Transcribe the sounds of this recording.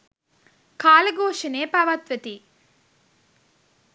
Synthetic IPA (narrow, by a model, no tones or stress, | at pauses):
kʰaːlɐɡoːʂɐneːpɐʋɐt̪ʋɐt̪i